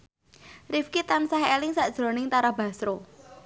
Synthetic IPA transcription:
rifkit̪ansaɦelɪŋsaʔd̥ʒ̥ɾo̤nɪŋt̪aɾaba̤sɾo

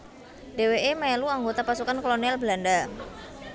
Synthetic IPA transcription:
d̥eweʔemaɛluaŋɡot̪apasukankolonialblanda

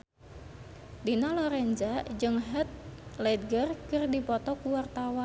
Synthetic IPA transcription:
dinalɔɾɛɲd͡ʒad͡ʒɨŋɦɛt̪̚lɛd̪̚ɡərkɨrdipɔt̪ɔkuwart̪awa

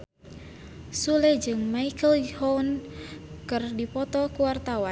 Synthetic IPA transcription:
sulɛd͡ʒɨŋmaikəlhɔwn | kɨrdipɔt̪ɔkuwart̪awa

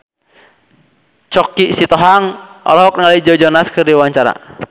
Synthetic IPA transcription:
t͡ʃɔkisit̪ɔɦaŋʔɔ̰lɔɦɔk̚nŋalaid͡ʒɔd͡ʒɔnaskɨrdiwaɲt͡ʃaɾa̰

